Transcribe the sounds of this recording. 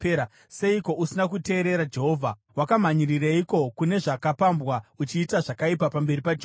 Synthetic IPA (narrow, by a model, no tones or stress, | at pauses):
a | se̞iko̞ʔusinakute̞ːɾe̞ɾad͡ʒe̞ɦo̞ːvʱa | wakam̤aɲiriraiko̞kune̞ʐakapambwaut͡ʃiːtaʐakaipapambe̞ripad͡ʒe